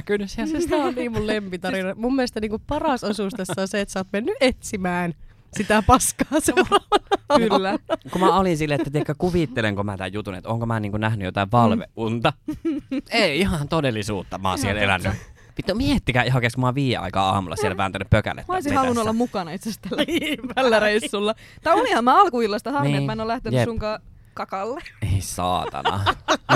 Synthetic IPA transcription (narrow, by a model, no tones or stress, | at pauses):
kysesit̪æonniːmmullempit̪ɑrinɑmummːelest̪ɑniːŋkuppɑrɑsosuˑst̪esːonseet̪sɑːt̪menːyʔet̪simæːn | sit̪æpɑskɑːserɑylːækumæolinsilːeʔet̪ːæt̪iekːækuʋit̪ːeleŋkomæt̪æ̰jjut̪unḛt̪oŋkomæːniːŋkunæhnyjot̪ɑiʋʋɑlʋḛʔʔunt̪ɑ | eˑiihɑnt̪odelˑːisuːt̪ːɑmɑ̰ːsielelæ̰nːy | pit̪ːomiet̪ːikæːiɦɑkesmɑʋiːjḛɑ̰ikɑ̰ːɑ̰ːmulːˑɑ̰sielʋænt̪ænːyppøkæ̰lːḛt̪moisihɑlunuolːɑmmukɑnɑit̪sest̪ælːæpælːæreisːulːɑ | t̪ɑiolihɑmmæɑlkuilːɑst̪ɑhɑrniiemæenolæht̪enjyessuŋkɑ | kɑkɑlːeeˑisɑ̰ːt̪ɑ̰nɑ̰